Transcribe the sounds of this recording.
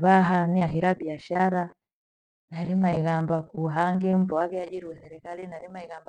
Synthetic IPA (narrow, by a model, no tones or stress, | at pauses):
βaɦaniaɦiɾabiaʃaɾa | naɾimaiɣambakuɦaŋɡim̩pɔwakɛad͡ʒiɾiwɛθɛɾɛkalinaɾimaiɣamba